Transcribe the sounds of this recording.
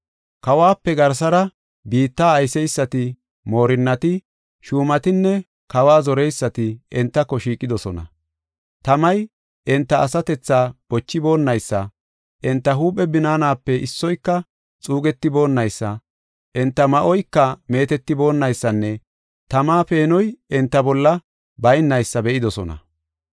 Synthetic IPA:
kɐwaːpːɛɡɐɾs̬ɐɾɐ | biːt̪ːaːjsɛjsːɐt̪ɪ | mo̞ːɾɪnːɐt̪ɪ | ʃuːmɐt̪ɪnːɛ | kɐwaːzɔɾɛjsːɐt̪ɪɪnt̪ːɐkːɔʃiːkʼːɪd̪ɔsɔ̰nɐ̰ | t̪ɐmɐj | ʔɛnt̪ːɐːsɐt̪ɛt͡sːaːb̥ɔt͡ʃːɪbo̞ːnːɐjsːɐ̰ | ʔɛnt̪ːɐɦuːpʼːɛbɪnaːnaːpːɛʔɪsːɔjkːɐ | t͡sʼuːɡɛt̪ːɪbo̞ːnːɐjsːɐ | ʔɛnt̪ːɐmɐʔɔjkːɐme̞ːt̪ɛt̪ːɪbo̞ːnːɐjsːɐnːɛ | t̪ɐmaːpe̞ːnɔjɛnt̪ːɐbɔlːɐ | bɐjnːɐjsːɐbɛʔɪd̪ɔsɔnɐ̰

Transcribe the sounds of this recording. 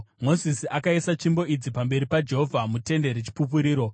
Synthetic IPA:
mo̞zisiakaisat͡ʃimbo̞id͡zipambe̞ɾipad͡ʒe̞ɦovʱamute̞nde̞ɾet͡ʃi̥pup̬uɾiːɾo̞

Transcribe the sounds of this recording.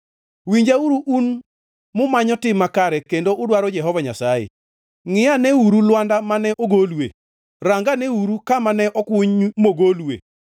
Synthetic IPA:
wiɲd͡ʒauɾuʔun | mʊmaɲɔtɪmakaɾɛkendoʔʊdwaɾɔd͡ʒɛɦɔvaɲa̰sajḛ | ŋɪanɛuɾulwandamanɛʔoɡolwḛ | ɾaŋɡanɛuɾukamanɛʔɔkʊɲmoɡoluwḛ

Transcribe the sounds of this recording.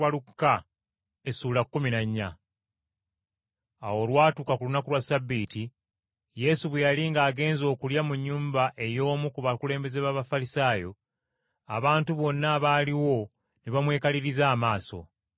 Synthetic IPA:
walukːa | esuːlakkːuminaɲːa | awo̞lwaːtukakulunakulwasabːiːti | je̞suβwejaliŋɡaːɡe̞ːnzo̞ːkuljamuɲːuːmbaʔe̞jo̞ːmukuβakule̞ːmbe̞zeβaːβafalisaːjo̞ | a̰βaːntuβo̞nːaːβaːliwo̞ | neβamwe̞ːkaliɾizaːmaːso̞̰

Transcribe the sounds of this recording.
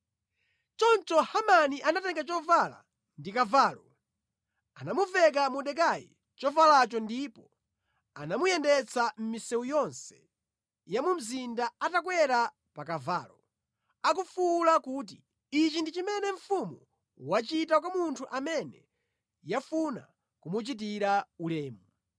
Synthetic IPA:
t͡ʃɔntɔhamaniʔanatɛŋɡat͡ʃɔvala̰ | ndikavaːlɔ | anamuvɛk̬amuɗɛk̬ajḭ | t͡ʃɔvalat͡ʃɔndiːpɔ | anamujɛndɛt͡sʰam̩misɛujɔnsɛ̥ | jamum̩zindaatakwɛɾa | pakava̰ːlɔ | ak̬ufulakuːt̬i | it͡ʃindit͡ʃimɛnɛɱ̩fumu | wat͡ʃitakwamuntʰuʔamɛnɛ | jafuna̰ | kumut͡ʃit̬iɾaulɛːmu

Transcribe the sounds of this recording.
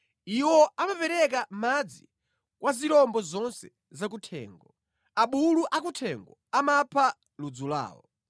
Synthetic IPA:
iwɔʔamapɛɾɛkamad͡zi | kwʔaziɾɔmbɔzɔnsɛ | zak̬utʰɛ̰ːŋɡɔ | aɓuluʔakutʰɛŋɡɔamapʰa | lud͡zula̰ːwɔ̰

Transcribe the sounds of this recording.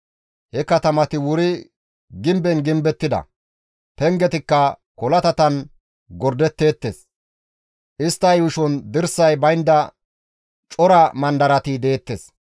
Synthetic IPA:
hɛkɐt̪ɐmɐt̪ɪwʊɾɪ | ɡɪmbɛnɡɪmbɛt̪ːɪd̪ɐ̰ | pɛŋɡɛt̪ɪkːɐkɔlɐt̪ɐt̪ɐn | ɡɔɾd̪ɛt̪ːe̞ːt̪ːḛːs | ʔɪst̪ːɐjʊʃɔnd̪ɪɾsːɐjbɐjnd̪ɐ | t͡ʃʼɔɾɐmɐnd̪ɐɾɐt̪id̪e̞ːt̪ːes

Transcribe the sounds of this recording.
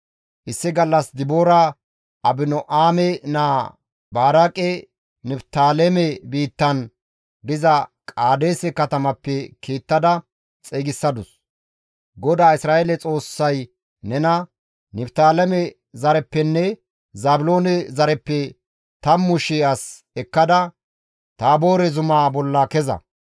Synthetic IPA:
ʔɪsːɪɡɐlːɐsd̪ɪbo̞ːɾɐ | ʔɐbɪnɔʔaːmɛnaː | baːɾakʼɛ | nɪbt̪aːlɛmɛbiːt̪ːɐn | d̪ɪzɐkʼaːd̪e̞ːsɛkɐt̪ɐmɐpːɛkʰeːt̪ːɐd̪ɐ | t͡sʼeːɡɪsːɐd̪ʊs | ɡɔd̪aːɪsɾaːʔelɛt͡sʼo̞ːsːɐj | nɛnɐ | nɪpt̪aːlɛmɛ | zɐɾɛpːɛnːɛ | zaːbʊlo̞ːnɛzɐɾɛpːɛ | t̪ɐmːʊʃɪɐs | ɛkːɐd̪ɐ | t̪aːbo̞ːɾɛzʊmaːbɔlːɐkɛzɐ̰

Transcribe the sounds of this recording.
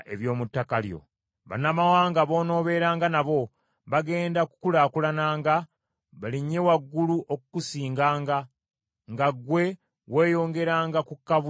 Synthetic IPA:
ḛβjo̞ːmutːakaljo̞̰ | βa̰namawaːŋɡaβo̞ːno̞ːβe̞ɾaːŋɡanaβo̞ | βaɡe̞ːndaku̥kulaːkulanaːŋɡa | βaliɲːe̞waɡːuluʔokukusiːŋɡaːŋɡa | ŋɡaɡwe̞ | we̞ːjo̞ːŋɡe̞ɾaːŋɡakukːaβu

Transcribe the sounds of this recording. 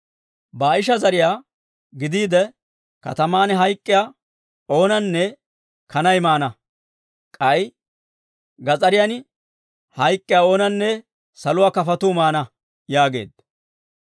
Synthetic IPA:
baːɪʃ̬ɐzɐɾɪjaː | ɡɪd̪iːd̪ɛ | kɐ̰t̪ɐmaːnɦɐjkʼːɪjaː | o̞ːnɐnːɛ | kʰɐnɐjmaːnɐ | kʼɐj | ɡɐt͡sʼɐɾɪjan | hɐjkʼːɪjaːo̞ːnɐnːɛ | sɐlʊwaːkɐfɐt̪ʊmaːnɐ | jaːɡe̞̰ːd̪

